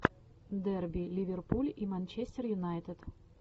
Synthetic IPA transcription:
d̪ɛrbʲilʲivʲɪrpulʲimanʲt͡ɕesʲt̪ʲɪrjʊnajt̪ət̪

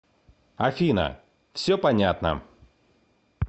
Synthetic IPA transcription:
ɐfʲinə̰ | fsʲɵpɐnʲat̪nə̰

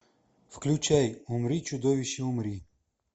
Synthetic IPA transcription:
fklʲut͡ʃɛjumɾit͡ʃud̪ɔʋʲiʃiumɾi

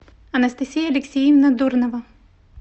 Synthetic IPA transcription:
ɐnɐst̪ɐsʲijɐɐlʲɪksʲijivnɐd̪urnɐvɐ

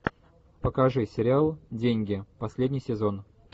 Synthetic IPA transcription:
pəkɐʐɨsʲɪɾʲɪalˠdʲenʲɡʲɪpɐsʲlʲedʲnʲɪjsʲɪzo̞n

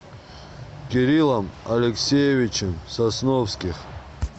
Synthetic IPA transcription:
kʲiɾilˠamalʲeksʲejevit͡ʃʰɪmsasnofskʲiχ

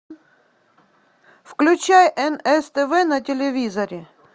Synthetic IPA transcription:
fklʲʉt͡ɕajʔɛnɛst̪ɛvɛnɐtʲɪlʲɪvʲizɐɾʲɪ

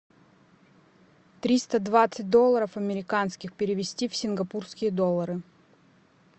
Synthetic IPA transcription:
t̪ɾʲist̪əd̪vat̪sɨt̚ʲd̪olˠːəɾəfɐmʲɪɾʲɪkanskʲɪxpʲɪɾʲɪvʲɪsʲtʲifsʲɪnɡɐpurskʲɪjəd̪olˠːəɾɨ

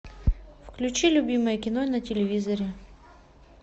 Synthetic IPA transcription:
fklʲʉt͡ɕilʲʊbʲiməjəkʲɪnonətʲɪlʲɪvʲizəɾʲɪ

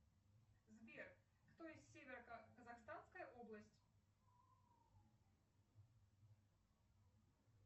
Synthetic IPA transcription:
zbʲɛr | xt̪ɔjɛsʲsʲevʲɛɾɐkɐzɐxst̪anskɐjɐʔɔblˠɐsʲtʲ

